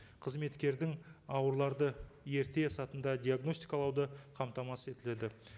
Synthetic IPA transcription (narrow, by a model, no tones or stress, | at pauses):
qʰəzme̞t̪kʲe̞ɾd̪ɪŋɑwəɾlˠɑɾd̪əje̞ɾt̪e̞sɑt̪ənd̪ɑd̪ʲijaɡno̞sʲt̪ijkɑlˠɑwd̪əqʰɑmt̪ɑmɑse̞t̪ɪle̞d̪ɪ